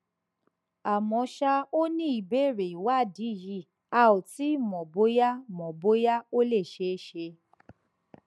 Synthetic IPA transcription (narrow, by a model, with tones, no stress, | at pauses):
a˨mɔ̃˨˦ʃa˧o˦nĩ˦i˨be˦˨ɾe˨i˨wa˦˨di˨˦˨ji˧˦˨ | a˧o˨ti˨˦mɔ̃˨bo˨˦ja˦mɔ̃˨bo˦ja˦o˦le˦˨ʃe˧˦ʃe˧